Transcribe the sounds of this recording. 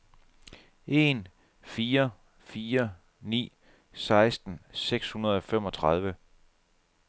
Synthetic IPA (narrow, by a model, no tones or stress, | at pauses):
ʔe̝n | fiːɐ | fiːɐ | nḭː | sɑ̈ɪsd̥n̩seɡ̥shunɐð̞ˠɒ̽fem̰ɒ̽t͡sʰʁɑð̞ˠʋə